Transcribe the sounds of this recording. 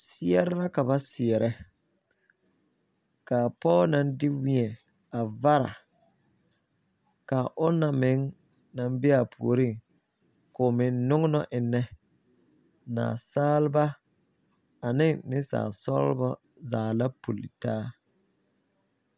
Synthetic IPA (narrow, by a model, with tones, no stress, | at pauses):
sɪ˦ɛ˦ɾɛ˦la˦ka˨ba˦sɪ˨ɛ˨ɾʔɛ˦ | ka˨pɔː˦nã˨n˦dɪ˦wĩ˦ɛ˨ | a˨va˦ɾa̰˨ | ka˨ʔʊ˦na˨mɪ˨˦ŋ | na˨nbɪ˦a˨pʰṵ˨o˨ɾi˦˨ŋ | kʊ˨mɪ˨nːʊ˦ŋ˦nɔ˦ʔɪ˨nːɛ˦ | na̰ː˨saː˦lɪ˦ba˦ | a˨nɪ˦ŋnɪ˦sa̰ː˨sɔ̰˦l̰bɔ˦ | zaː˨la˦pu˨lḭ˨taː˦